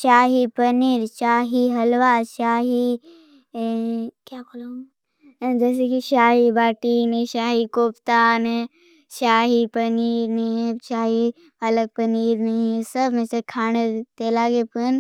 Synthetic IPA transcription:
ʃaːɦipɐniːɾʃaːɦiɦɐlʋaːʃaːɦi | kjaːkolo | d͡ʒɛːs̬ekiʃaːɦibaːʈiːnẽʃaːɦikoːpt̪aːnɦɛ | ʃaːɦipɐniːɾnɐɦĩɦɛ̃ʃaːɦi | ɐləɡ̚pɐniːɾnɐĩɛsəbmẽsekʰaːñet̪elaːɡepɐn

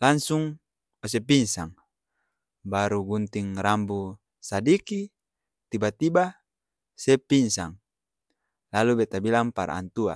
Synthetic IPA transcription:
laŋsuŋ | os̬epinsaŋ | baɾuɡunt̪iŋrambu | sadiki | t̪ibat̪iba | sɛpinsaŋ | lalubet̪abilaŋpaɾa̰a̰nt̪ua̰

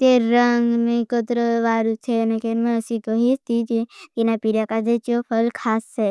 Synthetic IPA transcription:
t̪eɾːəŋɡmẽkot̪ɾəʋaːɾut̪ʰenekeɾmẽəsikoɦist̪id͡ʒek̪inapiɾakad͡ʒ̪et͡ʃopʰəlkʰaːsːe

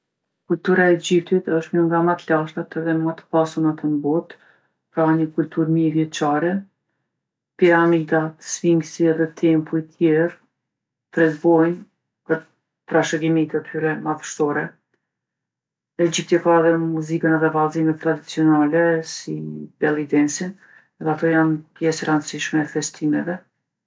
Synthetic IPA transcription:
kult̪uɾaɛd͡ʒipt̪it̪əʃt̪məŋɡamat̪laʃt̪at̪ɛðɛmat̪ə̥pasunat̪ənbɔt̪ | pɾaɲəkult̪uɾmivjɛt͡ʃaɾɛ | piɾamid̪at̪sviŋɡsiɛðɛt̪ʰɛmpuit̪ʰjɛɾ | t̪ɾɛt̪bɔjn | ɡə | t̪ːɾaʃəɡimit̪ət̪ʰyɾɛmaðəʃsɔɾɛ | ɛd͡ʑip̚t̪jɛkaɛðɛmuzikənɛðɛvalˠzimɛt̪ːɾad̪it͡siɔnalɛsib̥ɛlˠid̪ɛnsin | ɛðɛat̪ɔjanpjɛsəɾand̪siʃmɛːfɛst̪ʰimɛvɛ

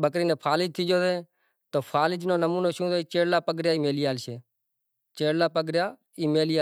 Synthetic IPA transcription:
bəkɾiːnẽːpʰaːlɪd͡ʒ̚t̪ʰiːd͡ʒoːsẽː | t̪oːpʰaːlɪd͡ʒnõːnəmuːnoːʃũːsoit͡ʃeːɽlaːpəɡɾjaːiːmeːliːaːlʃeː | t͡ʃeːɽlaːpəɡɾjaː | iːmeːlijaː

